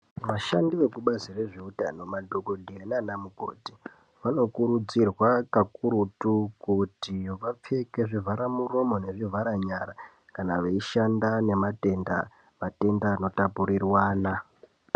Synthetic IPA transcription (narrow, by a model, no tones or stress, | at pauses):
ʋaʃandiʋe̞kuɓazire̞ʐiuta̰no̞madʱokodʱienanamuko̞̰ti | ʋano̞kuɾud͡zirwakakuɾutukutijoʋap͡fe̞keʐivʱaɾamuro̞mo̞ne̞ʐivʱaɾaɲaɾa | kanaʋeiʃandane̞mate̞nda̰ | ʋate̞ndaːno̞tapuɾirwaːna